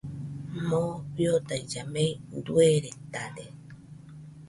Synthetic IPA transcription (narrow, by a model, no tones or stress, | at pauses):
moβjot̪ajd͡ʒamejnd̪ueɾet̪ade